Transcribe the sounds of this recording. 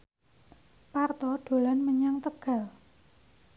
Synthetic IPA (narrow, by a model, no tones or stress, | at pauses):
part̪ɔɖ̥o̤lanməɲaŋt̪əɡ̥a̤l